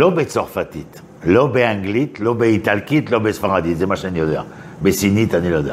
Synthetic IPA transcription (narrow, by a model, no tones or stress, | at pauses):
lɔbɛt̪sɔʁfat̪it̪ | lɔbɛɛ̃ɡlit̪lɔbeit̪alkʲit̪lɔbɛsfaʁad̪izɛmaʃɛ̃niɔd̪ɛ̰ʁ | besinit̪anilɔd̪ɛ̰